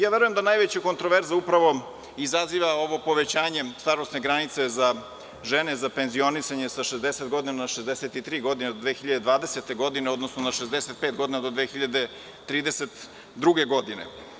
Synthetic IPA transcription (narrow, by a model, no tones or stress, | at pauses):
jaːʋeɾujemd̪anajʋet͡ɕako̞nt̪ɾoʋeɾzaupɾaʋo̞ | izaziʋao̞ʋo̞po̞ʋet͡ɕaːɲe̞st̪aɾost̪ne̞ɡɾanit̪seza | ʒenezapenzio̞nisaɲesaʃezd̪eset̪ɡo̞d̪inanaʃezd̪eset̪it̪ɾiːɡo̞d̪ined̪od̪ʋeːxiʎad̪ed̪ʋaːd̪eset̪eɡo̞d̪ineo̞d̪nosnonaʃezd̪eset̪̚peːt̪̚ɡo̞d̪inad̪o̞d̪ʋeːxiʎad̪e̞ | t̪ɾiːd̪eset̪ | d̪ɾuɡe̞ɡo̞d̪inḛ